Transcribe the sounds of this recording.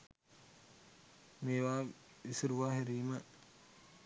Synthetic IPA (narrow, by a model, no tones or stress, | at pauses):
meːʋaːisiɾuʋaːɦeɾiːmə